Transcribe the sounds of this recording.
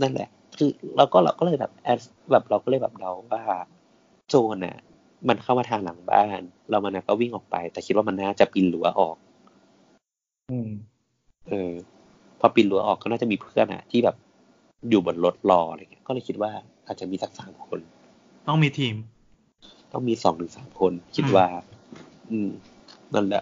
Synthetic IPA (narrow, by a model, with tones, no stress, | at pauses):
na˥˩nlɛ̰˧˩ʔ | kʰɯː˧ɾa˧wkɔː˥˩la̰˧wkɔː˥˩lɤː˧jbɛ̰ː˨˩p̚ʔɛː˦˥s | bɛː˨˩p̚ɾa˧wkɔː˥˩lɤː˧jbɛː˨˩p̚da˧wwaː˥˩ | t͡ɕoː˧nʔa̰˨˩ | ma˧nkʰa˥˩wmaː˧t̪ʰaː˧ŋla˨˩˦ŋba̰ː˥˩nla˧wma˧nʔa˧˩kɔː˥˩wi˥˩ŋʔɔː˨˩k̚pa̰˧jt̪ɛː˨˩kʰi˦t̪̚wa˥˩ma˧nːaː˥˩t͡ɕa˨˩pi˧nlu˩˦ɐ˦ʔɔː˨˩k̚ | ɯː˧˩ | ʔɤː˧ | pʰɔ˧pi˧nlu˨˩˦ɐ˦ʔɔː˨˩kːɔː˦˥˩naː˥˩t͡ɕa˨˩ʔmiː˧pʰɯ˥˩ənʔa̰˨˩t̪ʰiː˥˩bɛː˨˩p̚ | juː˨˩bo˨˩˦nlo˧˦˥t̪̚lɔː˧ʔa˧ɾa˧ŋi˦˥kɔː˥˩ɤ˧jkʰi˦t̪̚waː˥˩ | ʔaː˨˩t̪̚t͡ɕa˨˩miː˧la˨˦k̚saː˩˦mkʰo˧n | t̪ɔ˥˩ŋmiː˧t̪ʰiː˧m | t̪ɔ̰˥˩ŋmiː˧sɔː˨˩˦ŋt̪ʰɯ˨˩˦ŋsaː˩˦mkʰo˧nkʰi˦˥t̪̚waː˥˩ | ʔɯː˧m | na̰˥˩lɛ˨˩ʔ